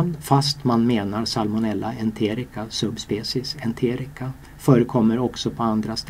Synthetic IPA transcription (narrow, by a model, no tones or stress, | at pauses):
nfast̪manmeːnaɾsalmʊnɛlːaɛnt̪ʰeːɾɪkasɵbspeːsɪsɛnt̪ʰeːɾɪka | fœːɾəkʰɔmːəɾɔksɔpʰɔand̪ɾast̪